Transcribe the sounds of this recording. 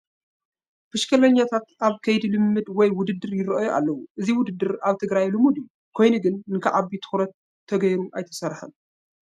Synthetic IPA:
bʰɨʃkʰɐlɐɲːat̪ʰat̪ʔaβkʰɐjd̪ilɨmːɨd̪wɔjwʊd̪ɨd̪ːɨɾjɪɾʔjoʔa̰lːɐwuʔɨziwʊd̪ɨd̪ːɨɾaβt̪ʰɨɡɾajlɨmud̪ijːu | kʰo̞jnɨɡɨnnɨkʰaʕabit̪ʰɨ̥xɾɐt̪ʰː | ɐɡɐjɾuʔajt̪ʰɐsɐɾħa̰n

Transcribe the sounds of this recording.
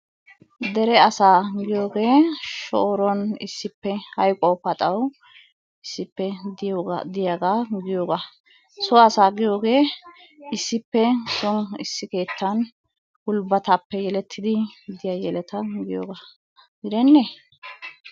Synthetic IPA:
d̪ɛɾɛɐsaːɡɪjo̞ːɡe̞ːʃoːɾɔnɪ̰sːɪpːɛhɐjkʼɔpɐt̪ʼɐw | ɪsːɪpːɛ | d̪ɪjaːɡaɡɪjoːɡa | sɔɐsaːɡɪjo̞ːɡe̞ː | ɪsːɪpːɛsɔnɪsːɪke̞ːt̪ːɐn | hʊlbɐt̪apːɛjɛlɛt̪ʰːɪd̪ɪd̪ɪjɐjɛlɛt̪ɐɡɪjoːɡaː | ɡɪd̪ɛnːe

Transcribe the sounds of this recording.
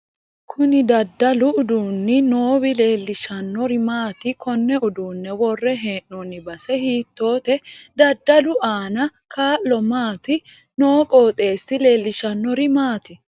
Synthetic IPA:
kʰʊnɪd̪ɐd̪ːɐlʊʊd̪uːnːɪno̞ːwɪle̞ːlːɪʃɐnːɔɾɪmaːt̪ɪkʰɔnːɛʊd̪uːnːɛwɔrːɛɦeːnːɔnɪbɐsɛhiːt̪ːo̞ːt̪ɛd̪ɐd̪ːɐlʊʔaːnɐkaːʔːɔmaːt̪ɪ | noːkʼo̞ːt̪ʼe̞ːsːɪle̞ːlːɪʃɐnːɔɾɪmaːt̪ɪ

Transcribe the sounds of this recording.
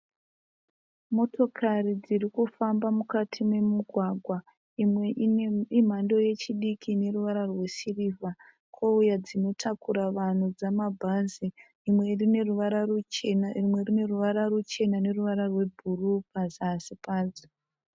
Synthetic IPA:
mo̞to̞kʰarid͡ziɾikufambamukatʰime̞muɡʱwaɡʱwa | im̤ando̞je̞t͡ʃiɗikʰine̞ruʋaɾarwe̞siriːva | kʰoujad͡zino̞tʰakuɾaʋan̤ud͡zamabʱaziː | mwe̞rine̞ruʋaɾarut͡ʃenaimwe̞rine̞ruʋaɾarut͡ʃe̞nane̞ruʋaɾarwe̞bʱurupazsipaːd͡zi

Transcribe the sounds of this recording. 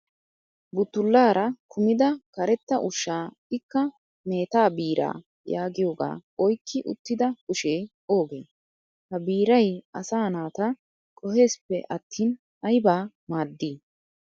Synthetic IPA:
bʊt̪ːʊlːaːɾɐkʰʊmɪd̪ɐkɐɾɛt̪ːɐʔʊʃːaː | ɪkːɐ | me̞ːt̪aːbiːɾa̰ː | jaːɡɪjo̞ːɡa̰ːɔjkːɪʔʊ̰t̪ːɪd̪ɐkʊʃe̞ː | o̞ːɡe̞ː | hɐbiːɾɐjɐsaːnaːt̪ɐ | kʼɔhe̞ːspːɛ̰ʔɐt̪ʰːiːn | ɐjbaː | maːd̪ːiː

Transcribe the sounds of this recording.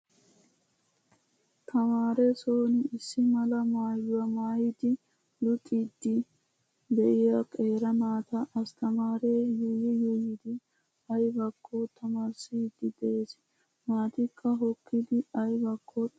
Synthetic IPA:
t̪ʰɐmaːɾɛsoːnɪɪsːɪmɐlɐmaːjʊwɐmaːjɪd̪ɪ | lʊt̪ʼːid̪ːɪ | b̪ɛʔɪjɐkʼeːɾɐmaːt̪ɐʔɐst̪ʰɐmaːɾeːjɔjɛjɔjɪd̪ɪ | ɐjbɐkʰːoːt̪ʰɐmaːɾsid̪ːɪd̪ɛʔes | maːt̪ɪkʰʼːɐɦɔkʰːɪd̪ɪɐjbɐkʰːo

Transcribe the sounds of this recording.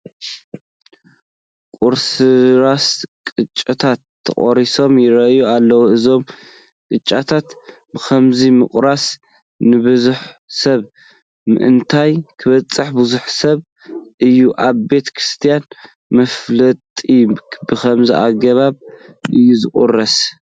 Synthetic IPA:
kʼuɾsɨɾaskʼɨt͡ʃʼːɨt̪ʰat̪ʰːɐ̰χʼoɾiso̞mjɪɾɐʔjualːɐwuɨzo̞m | kʼɨt͡ʃʼːat̪ʰat̪ | bɨxʰɐmzimɨχʼɾas | nɨβɨzuħsɐβ | mɨ̰ʔɨnt̪ʰajkʰɨβɐt͡sʼːɨħbɨzuħsɐβ | ʔɨjːuʔaβbe̞t̪ʰkʰɾɨst̪ʰijan | mɐflɐt̪ʼibɨxʰɐmziʔaɡɐβaβʔɨjːuzɨχʼṵrɐs

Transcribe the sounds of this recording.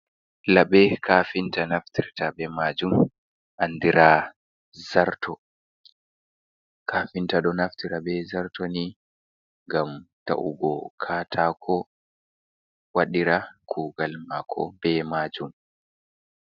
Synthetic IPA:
laɓɛkʰaːfintanaftiɾtabɛmad͡ʒum | ʔandiɾa | zaɾtʰɔ | kʰafintaɗɔnaftiɾabɛzaɾtoni | ŋɡamta̰ʔṵɡɔkʰaːtʰakʰɔ | waɗiɾakʰuːɡalmakʰɔ̰bɛmaːd͡ʒum

